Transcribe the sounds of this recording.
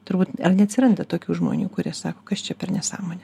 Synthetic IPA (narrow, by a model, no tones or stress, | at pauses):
t̪ʊɾbuːt̪ɐrnʲɛɐt̪ʲsʲɪɾɐnd̪ɐt̪oːkʲuːʒmo̰ːnʲuːkʊɾʲiɛsɑːkoːkɐst͡ʃʲɛpʲɛrnʲɛsɑ̰ːmoːnʲɛ